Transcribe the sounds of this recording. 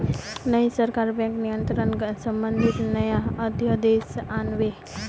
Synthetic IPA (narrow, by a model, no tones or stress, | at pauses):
nəjsəɾkaɾbɛ̃ŋknijənt̪ɾənsəmbənd̪ʱit̪nəjaəd̪ʱjəd̪esanʋe